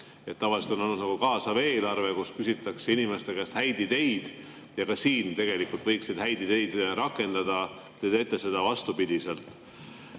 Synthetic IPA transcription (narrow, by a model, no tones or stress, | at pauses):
e̞t̪ːɑvɑliset̪ononud̪nɑɡ̥ukɑːsɑve̞ːlɑrve̞kuskysit̪ːˑɑksinimest̪e̞kæst̪hæjd̪it̪e̞jd̪̥ | jɑkɑsiːnt̪e̞ɡ̥e̞likult̪vɤjkssed̪̥hæjd̪it̪e̞jd̪̥ɾɑkːˑe̞nd̪ɑd̪̥ɑ | t̪ed̪et̪ˑːese̞d̪ɑvɑst̪upid̪̥ise̞lt̪ˑ